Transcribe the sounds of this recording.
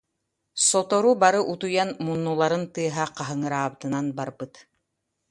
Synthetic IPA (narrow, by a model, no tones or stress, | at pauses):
sɔt̪ɔɾubaɾɯʔut̪ujanmunːulˠaɾɯnt̪ɯɐɦaqaɦɯŋɯɾaːbɯt̪ɯnanbaɾbɯt̪